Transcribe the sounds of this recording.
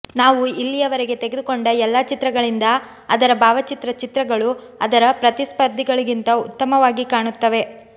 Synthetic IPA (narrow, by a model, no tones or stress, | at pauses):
naːʋuilːijɐʋɐɾeɡe̞t̪eɡe̞d̪ukoɳɖɐɛlːaːt͡ʃit̪ɾɐɡɐɭind̪ɐ | ɐd̪ɐɾɐbʱaːʋɐt͡ʃit̪ɾɐt͡ʃit̪ɾɐɡɐɭu | ɐd̪ɐɾɐpɾɐt̪ispɐɾd̪ʱiɡɐɭuɡint̪ɐut̪ːɐmɐʋaːɡikaːɳut̪ːɐʋe̞